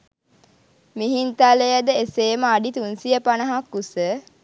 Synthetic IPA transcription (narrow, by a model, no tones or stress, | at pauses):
miɦint̪alejəd̪əeseːməaɖit̪unsijəpanəɦakːusə